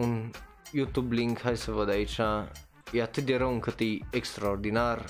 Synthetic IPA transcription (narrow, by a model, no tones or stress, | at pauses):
un | jut̪jubliŋkʰhajsəʋɐd̪ajt͡ʃã | jat̪ʰd̪ʲɐɾɐũŋkʰɐt̪iekstɾɔɾd̪inaɾ